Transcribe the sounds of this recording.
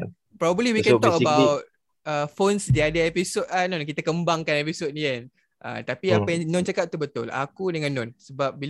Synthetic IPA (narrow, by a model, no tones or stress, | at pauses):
pɾɔbəbəliwikɛ̃t̪ɔkəbawt̚ | əfonsdiadaɛpisot̚anɔnkit̪əkəmbaŋkanɛpisot̚nian | ʔə̰t̪apiapajanɔ̃nt͡ʃakap̚t̪ubət̪ʊla̰kudəŋãnːɔnsəbap̚bi